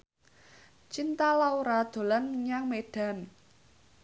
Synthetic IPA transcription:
t͡ʃint̪alauɾad̪̥o̤lanɲaŋmeɖ̥a̤n

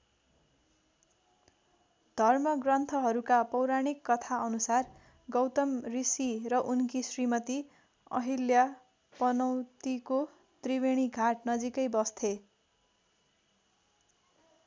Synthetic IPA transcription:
d̪ʱʌrmʌɡrʌnt̪ʰʌɦʌɾukapʌwɾaɽ̃ikːʌt̪ʰaʌnusar | ɡʌwt̪ʌmrisirʌʔunkisrimʌt̪i | ʌ̰ɦilja | pʌnʌw̃t̪iko | t̪riweɽ̃iɡʱaʈ̚nʌd͡zikʌjbʌst̪ʰe

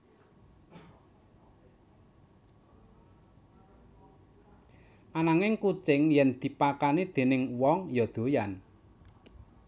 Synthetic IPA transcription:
ʔanaŋɪŋkut͡ʃɪŋjɛnd̪̥i̤pakanid̪̥e̤nɪŋwɔŋjɔd̪̥o̤jan

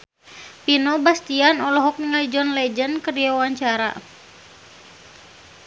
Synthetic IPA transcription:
pinɔbast̪ianɔlɔɦɔk̚niŋaid͡ʒɔnlɛd͡ʒənkərijawaɲt͡ʃaɾa̰

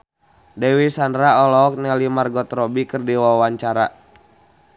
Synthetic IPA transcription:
dɛwisandɾaɔlɔk̚nalimarɡɔt̪ɾɔbikɨrdiwawaɲt͡ʃaɾa

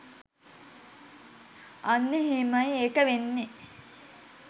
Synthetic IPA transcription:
anːeɦemɐjeːkəʋenːe

